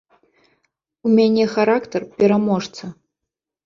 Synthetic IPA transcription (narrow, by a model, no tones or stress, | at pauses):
umʲanʲɛxaɾakt̪ərpʲɛɾamoʐt͡s̪ʰɐ